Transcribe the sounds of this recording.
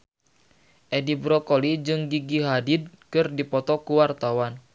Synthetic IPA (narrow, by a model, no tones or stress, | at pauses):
ʔɛdibɾɔkolid͡ʒɨŋɡiɡiɦadid̚ | kɨrdipɔt̪ɔkuwart̪awan